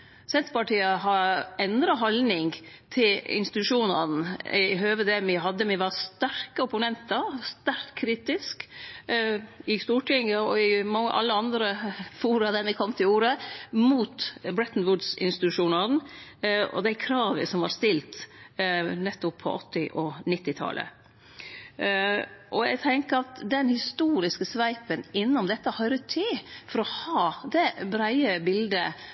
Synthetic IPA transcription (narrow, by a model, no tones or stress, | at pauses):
sɛnt̪pʰɑʈʰiːəɦɑɾɛnd̪ɾɑɦɔlnɪŋt̪ʰɪlɪ̰nst̪ɪt̪ʉʂuːnɑ̰n̩ɪɦøːʋəd̪ɛːmɪɦɑd̪ːəmɪʋɑɾst̪æɾkəɔpʊnɛnt̪ɑɾst̪æɾk̪kʰɾiːt̪ɪsk | ɪst̪uːʈʰɪŋəɔɪmɑŋːə̰ʔɑ̰lːəɑnd̪ɾəfuːɾɑd̪æɾmɪkʰɔmt̪ʰɪluːɾəmuːt̪bɾɛt̪nʋʊd̪sɪ̰nst̪ɪt̪ʉʂuːnɑn̩ | ɔ̰d̪æɪkʰɾɑːʋə̰sɔmʋɑ̰ɾst̪ɪlt̪ | nɛt̪ːɔpʰːɔ̰ʔɔt̪ːɪʔɔnɪt̪ːɪt̪ʰɑ̰lʔə̰ | ʔɔæɪɡt̪ʰɛŋkəɾɑt̪d̪ɛnhɪst̪uːɾɪskəsʋæɪpənɪnːʊmd̪ɛt̪ːəhœʏɾət̪ʰːɪlfɔɾɔhɑːd̪ɛbɾæɪəbɪld̪ə